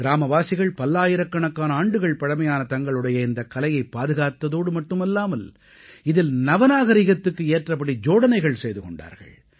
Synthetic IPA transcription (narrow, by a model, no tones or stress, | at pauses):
ɾaːmɐʋaːsɪɣɐɭpɐlːaːjɪɾɐkːɐɳɐkːaːnɐaːɳɖɯɣɐɭpɐɽɐmɐjaːnɐt̪ɐŋɡɐɭɯɽɐjɐɪnd̪ɐkːɐlɐjɐɪpːaːðɯɣaːt̪ːɐðoːɽɯmɐʈːɯmɛlːaːmɐl | ɪðɪlnɐʋɐnaːɣɐɾɪɣɐt̪ːɯkːɯeːʈrɐp̬ːɐɽid͡ʒoːɽɐnɐɪɣɐɭsɛjðɯkɔɳɖa̰ːɾɣɐ̰ɭ